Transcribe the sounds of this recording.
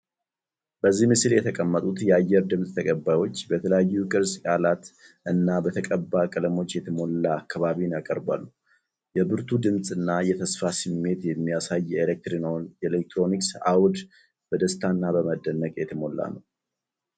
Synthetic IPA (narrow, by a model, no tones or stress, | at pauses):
b̥əzːihmɨsljɛt̪ʰəkʼəmːət̪ʼut̪jɛajːɛɾd̪ɨmsʼt̪ʰəkʼəbajwo̞t͡ʃːbət̪ʰələjajːukʼɨɾskʼalat̪ | ʔɨnːabət̪ʰəkʼəbːakʼələmo̞t͡ʃːjɛt̪ʰəmo̞lːaːkʰːaβaβinjakʼəɾba̰lːu | jɛbɨɾt̪ʰud̪ɨmsʼɨnːajɛt̪ʰəsfasɨmːe̞t̪jɛmːijasajːelek̚t̪ɾinownjɛlek̚t̪ɾo̞niksa̰wd̪ | b̥əd̪əst̪ʰanːabəməd̪ːənːəkʼjɛt̪ʰəmo̞lːa̰nəw